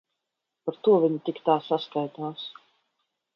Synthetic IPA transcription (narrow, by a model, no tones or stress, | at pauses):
paɾt̪uɔvʲiɲit̪ikt̪aːsaskajt̪aːs